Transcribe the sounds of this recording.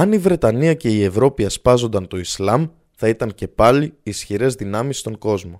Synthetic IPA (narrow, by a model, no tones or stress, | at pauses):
ɐnivɾe̞t̪ɐniɐce̞ie̞vɾo̞piɐspɐzo̞nd̪ɐnt̪o̞islɐm | θɐit̪ɐŋce̞pɐliːsçiɾe̞zðinɐmist̪o̞ŋɡo̞zmo̞